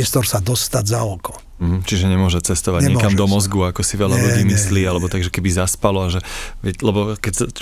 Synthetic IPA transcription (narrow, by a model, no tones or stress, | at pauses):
ɛst̪ɔɾsad̪ɔst̪adzaɔkɔ | m̩ɦm̩t͡ʃiʒɛɲɛmʊɔʒɛt͡sɛst̪ɔʋaɟɲɛɲɛkamd̪ɔmɔzɡuakɔsiʋɛʎaluɟiːmisliːalɛbɔt̪aɡʒɛkɛbizaspalɔaʒɛʋɪɛclɛbɔkɛcs